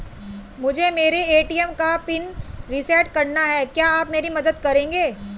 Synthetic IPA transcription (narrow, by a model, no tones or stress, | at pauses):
mʊd͡ʒʱemeːɾeeːʈiɛmkapɪnɾɪsɛːʈ̚kɐɾnaɦɛːkjaːaːpmeːɾimɐd̪əd̪kɐɾẽːŋɡeː